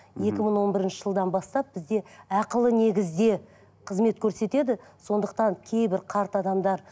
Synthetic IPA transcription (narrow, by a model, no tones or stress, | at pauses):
je̞kʲɪməɴwo̞nbɪɾɪnʃə̥ʒəlˠd̪ɑnbɑst̪ɑp̚bɪzd̪e̞ɑqəlˠəne̞ɡʲɪzd̪e̞ | qʰəzme̞t̪kʲʰɵɾse̞t̪e̞d̪ɪso̞nd̪əq̚t̪ɑŋkʲʰe̞jbɪɾqʰɑɾt̪ɑd̪ɑmd̪ɑɾ